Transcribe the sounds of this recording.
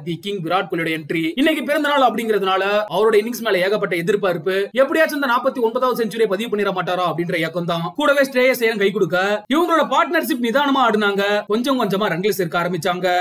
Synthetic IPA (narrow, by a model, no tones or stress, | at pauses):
ʋikːɪŋɡɡɪɾaːʈ̚kɔɭɪjɽɐɛnʈriɪnːɛkːɯpɪɾɐnd̪ɐnaːlɐpːɐɽɪŋɡɪɾɐðɐnaːlɐɐʋɐɾɯɽɐɪnːɪŋsmeːlɐeːɣɐp̬ːɐʈːɐɛðɪɾpːaːɪɾɯpːɯɛpːɐɽɪjaːt͡ʃːɐnd̪ɐnaːpːɐt̪ːiɔnbɐðaːʋɐðɯsɛɲd͡ʒɯɾeːpɐðɪʋɐpːɐɳːɪɾɐmaːʈːaːɾaːɐpːɐɽɪndɾɐeːkːɐmt̪ãːkuːɽɐʋeːsʈɾeːjɐsɛjɐɾɐnkɐɪkɔɽɯk̬ːɐɪʋɐŋɡɐɭoːɽɐpaːɾʈnɐɾʂɪp̬nɪðaːnɐmaːaːɽɯnaːŋɡɐkɔɲd͡ʒɔ̃ŋkɔɲd͡ʒɐmaːɾɛŋɡlɪsɪɾɯkːɯaːɾɐmbɪt͡ʃːaːŋɡɐ